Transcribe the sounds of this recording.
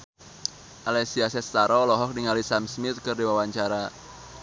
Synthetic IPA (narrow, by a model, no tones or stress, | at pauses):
ʔalɛsiasɛst̪aɾɔlɔɦɔk̚niŋalisamsmɪt̪̚kɨrdiwawaɲt͡ʃaɾa